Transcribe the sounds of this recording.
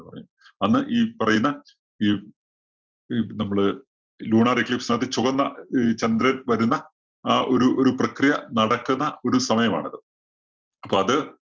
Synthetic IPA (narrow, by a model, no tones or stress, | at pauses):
pɐrɐj | ɐnːɨʔiːpɐrɐjunːɐ | iː | nɐmːɐɭɨ | luːɳaːrikːɭipsnaːɐt̪ːit͡ɕuɣɐnːɐt͡ɕɐnd̪ɾɐlʋɐɾunːɐː | ʔo̞ɾuʔoɾuprɐkrijɐnɐɽɐkːunːɐo̞ɾusɐmɐjɐma̰ːɳɐðɨ | ɐpːoːɐðɨ